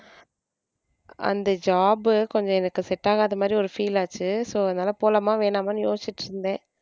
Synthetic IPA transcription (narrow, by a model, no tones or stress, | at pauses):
ʔɐ̰nd̪ɐd͡ʒaːbɯkɔɲd͡ʒɔ̃ɛnɐkːɯsɛʈːaːɣaːðɐmaːd̪ɾiɔɾɯfiːlaːt͡ʃːɯsoːɐðɐnaːlɐpoːlɐmaːʋeːnaːmaːnɯjoːsɪt͡ʃːɪʈːɯɾɯnd̪ẽː